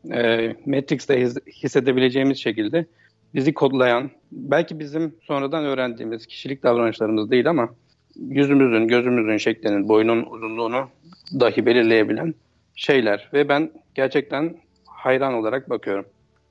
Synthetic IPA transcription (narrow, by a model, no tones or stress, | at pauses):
ɛːmɛt̪ɾikst̪ɛhisːe̞d̪e̞bilʲe̞d͡ʒe̞jimizʃe̞cilʲd̪ɛ | bizikʰo̞d̪lˠajan | bælʲcibizimso̞nɾad̪anø̞ːɾænd̪ḭːmiz̥cʰi̥ʃilʲic̚d̪avɾanɯt͡ʃlˠaɾɯmɯzd̪ajilʲama | jyzymyzynɟø̞zymyzynʃɛclʲeninbo̞jununuzunlˠuːnu | d̪aɦɯbe̞lʲiɾlʲe̞je̞bilʲæn | ʃe̞jlʲæɾvɛbænɟ̥æɾt͡ʃʰɛc̚t̪ʰæn | hajɾano̞lˠaɾak̚bakʰɯjo̞ɾum